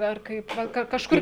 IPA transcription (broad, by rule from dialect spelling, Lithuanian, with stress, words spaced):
ɐr ˈkɐɪp ˈʋɐ ˈkɐ kɐʃˈkʊrʲ